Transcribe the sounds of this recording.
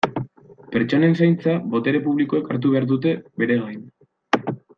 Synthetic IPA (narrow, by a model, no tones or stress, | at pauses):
pe̞ɾt͡ʃo̞ne̞nsajnt͡saβo̞t̪e̞ɾe̞puβ̞liko̞ekaɾt̪̬uβe̞aɾðut̪̬e̞be̞ɾe̞ɣajn